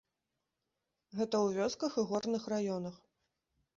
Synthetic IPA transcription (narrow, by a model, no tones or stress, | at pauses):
ɣɛt̪ɐwvʲɔskɐxɨɣɔrnɨxrajɔn̪ɐx